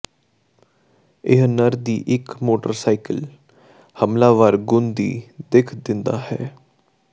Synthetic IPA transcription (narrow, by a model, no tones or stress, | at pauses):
ɪɦnəɾd̪iːʔɪkmoːʈə̰ɾsaːikəl | həmlaːʋaːɾɡʊnd̪iːd̪ekʰd̪ɪnd̪a̰ːhɛː